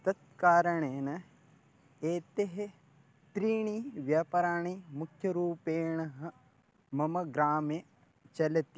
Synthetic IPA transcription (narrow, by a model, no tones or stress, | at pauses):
t̪ɐt̪̚kaːɾɐɳeːnɐ | eːt̪eɦe | t̪ɾiːɳiʋjaːpɐɾaːɳ̃imukʰjɐɾuːpeːɳɐɦɐ | mɐmɐɡɾaːmeː | t͡ʃɐlɐt̪i